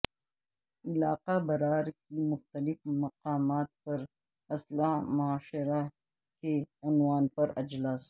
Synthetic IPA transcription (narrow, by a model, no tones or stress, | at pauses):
ɪlaːqabɐɾaːɾkimʊxt̪əlɪfmɐqaːmaːt̪̚pɐɾ | ɐslamʊaːʃɾa | keʊnwaːnpɐɾɐ̰d͡ʒlaːs